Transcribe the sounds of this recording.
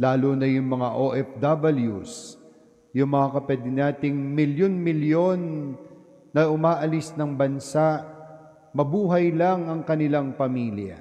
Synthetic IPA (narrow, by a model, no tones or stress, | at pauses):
laːlonɐjʊŋmɐŋaʔoʔɛfd̪abɐljus | jʊŋmɐŋakɐpwɛd̪ɪnaːt̪ɪŋmɪljonmɪljo̞nː | ɐʔʊmaːʔɐlɪsnɐŋbɐnsaʔ | mɐbuːɦɐjlɐŋɐŋkɐnɪlaŋpɐmiːljɐ̰